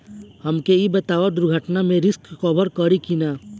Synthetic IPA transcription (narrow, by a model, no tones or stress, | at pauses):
hɐmkeibɐt̪aːʋad̪ʊɾɡʱəʈnamẽɾɪskkɔːbʱəɾkəɾikinaː